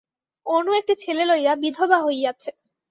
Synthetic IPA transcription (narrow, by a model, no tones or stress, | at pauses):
onuek̚ʈit͡ɕʰelelojabid̪ʱobaɦojd͡ʑatːɕʰe